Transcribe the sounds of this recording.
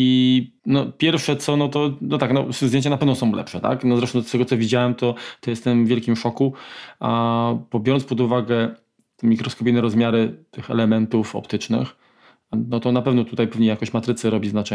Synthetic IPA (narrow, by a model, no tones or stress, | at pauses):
i | nɔpʲjɛɾfʂɛt̪sɔnɔt̪ɔnɔt̪aknɔzd̪ʲẽɲt͡ɕanapɛvnɔsɔ̃w̃lɛ̰pʂɛt̪a̰knɔzɾɛʂt̪ɔ̃st̪ɛɡɔt̪sɔvʲid͡ʑawɛmt̪ɔt̪ɔjɛst̪ɛmvʲjɛlkʲimʂɔkuabɔbʲjɔɾɔnspɔd̪uvaɡɛ | t̪ɛmʲikɾɔskɔp̬ʲijnɛɾɔzmʲjaɾɘt̪ɘxɛ̰lɛmɛnt̪ufɔ̰pt̪ɘt͡ʂnɘ̰x | nɔt̪ɔnapɛvnɔt̪ut̪ajpɛvɲɛjakɔɕt͡ɕmat̪ɾɘt̪sɘɾɔbʲiznat͡ʂɛ